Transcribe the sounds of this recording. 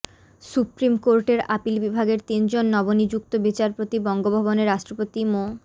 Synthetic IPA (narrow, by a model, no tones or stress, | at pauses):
supɾimkoɾʈeɾapilbibʱaɡeɾt̪ind͡ʑonːɔbonid͡ʑuk̚t̪obit͡ɕaɾpot̪ibɔŋɡobʱaboneɾːaʃʈɾopot̪imo